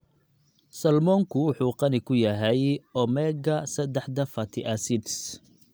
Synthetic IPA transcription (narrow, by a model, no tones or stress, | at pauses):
sɐlmɔːŋkʰʊwʊħuːqɑnɪkʰʊjɐɦɛjʔɔmɛɡɐsɐd̪ɛħd̪ɐfɐt̪ʰɪʔɐsɪd̪s